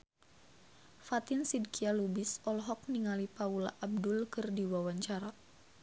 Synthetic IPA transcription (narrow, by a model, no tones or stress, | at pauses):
fat̪ɪnsid̚kialubisɔlɦɔk̚niŋalipaulaʔab̚dʊlkɨrdiwawaɲt͡ʃaɾa